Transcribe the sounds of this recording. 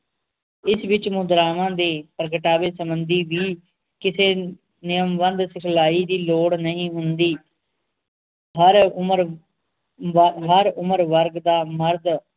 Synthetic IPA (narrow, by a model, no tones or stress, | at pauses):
ɪsʋɪt͡ʃmʊ̃d̪ɾaːʋãːd̪eːpəɾɡəʈaːʋeːsəmbənd̪iːʋiː | kɪseː | nɪjəmʋənd̪sɪkʰlaːiːd̪iːloːɽnəĩːɦʊnd̪iː | ɦəɾɾ | ɦəɾʊməɾʋəɾɡd̪aːməɾd̪